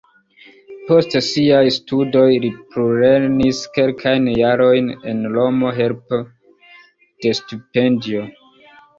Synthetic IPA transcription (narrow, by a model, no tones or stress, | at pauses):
po̞stsiajstudo̞jlipɾuɾe̞niske̞lkʰajnjaɾo̞jne̞nlo̞mo̞ɦe̞lpo | d̥e̞stupe̞ndio̞